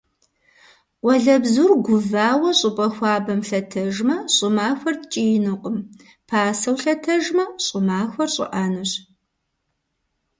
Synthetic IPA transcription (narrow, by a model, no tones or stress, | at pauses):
wɐɮɐbzurɡʷʊvaːwɐɕʼɪpʼɐxʷɑːbɐmɬɐtʰɐʒmɐɕʼʊmaːxʷɐrtt͡ʃʼijnɨqʼəm | pʰaːsɐwɬɐtʰɐʒmɐɕʼʊmaːxʷɔrɕʼɪ̰ʔaːnɨɕ